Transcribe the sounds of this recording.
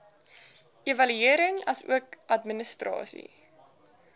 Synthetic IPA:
evɐlyiəɾəŋɐsṵəkɐtmənəstrɑ̰ːsḭ

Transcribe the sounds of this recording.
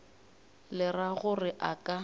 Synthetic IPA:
lɪraɣʊrɪʔakʼa

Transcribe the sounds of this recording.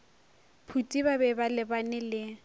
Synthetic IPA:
pʰutʼibabɛbalɪbanɪlɪ

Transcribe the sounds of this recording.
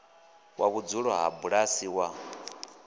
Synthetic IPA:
wʔa̰βud͡zuɺɔɦa̰buɺasiwa

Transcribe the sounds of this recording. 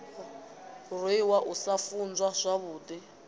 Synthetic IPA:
riwaʔusafund͡zwaʂʷaβuːti

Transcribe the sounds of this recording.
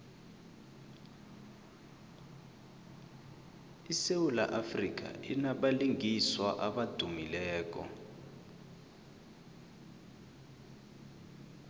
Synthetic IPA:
isewulaʔafrik̬a̰inaɓaliŋiswaʔaɓad̥ʱumilɛːk̬ʼɔ̰

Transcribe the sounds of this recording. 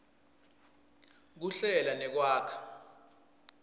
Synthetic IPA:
k̬uɬɛlanɛk̬waːkʰḁ

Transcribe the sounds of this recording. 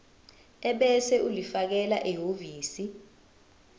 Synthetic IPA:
ɛɓɛsɛʔulifak̬ɛlaʔeɦoviːsi

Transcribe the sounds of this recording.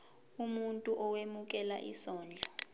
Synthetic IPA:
umuntʼuʔɔwemuk̬ʼɛla̰ʔḭsɔːnd͡ɮʱɔ

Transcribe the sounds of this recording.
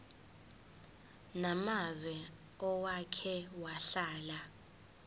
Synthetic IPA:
namazwɛ | ɔwakʰɛwaɬaːla

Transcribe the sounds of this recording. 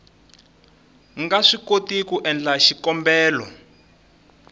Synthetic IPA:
ŋɡaʂikotikuʔɛnd͡ɮaʃikɔmbɛːlɔ̰

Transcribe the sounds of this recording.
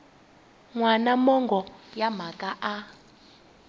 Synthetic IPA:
ŋwanamɔŋɡʱɔjam̤akʼaʔa

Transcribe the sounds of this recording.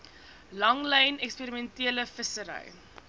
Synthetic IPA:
lɐŋlɛjnɛkspiɾimɛntiələfəsəɾɛ̰j

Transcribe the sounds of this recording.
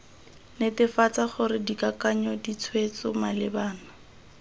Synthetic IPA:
nɪtɪfat͡saχʊɾɪdikakaɲɔdit͡sʰwet͡sʊmalɪbaːna

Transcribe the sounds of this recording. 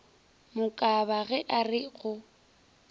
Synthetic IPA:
mʊkʼabaɣɛʔarɪɣʊ

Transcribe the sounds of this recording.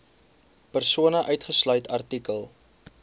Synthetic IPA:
pərsuənəʔœɥtχəslœɥtʰɐrtikəlˠ

